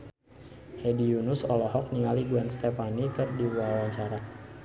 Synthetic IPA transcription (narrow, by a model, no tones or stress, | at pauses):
hedijunʊsɔlɔɦɔk̚niŋaliɡuɛnst̪ɛpanikɨrdiwawaɲt͡ʃaɾa